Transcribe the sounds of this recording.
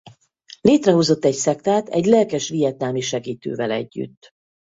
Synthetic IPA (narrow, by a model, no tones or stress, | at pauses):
leːt̪rɛɦozo̞t̪ːɛcsɛkt̪aːt̪ɛɟlɛlkɛʃʋijɛt̪̚nalmiʃɛɡiːt̪ø̰ːvɛlɛ̰ɟːy̰t̪ː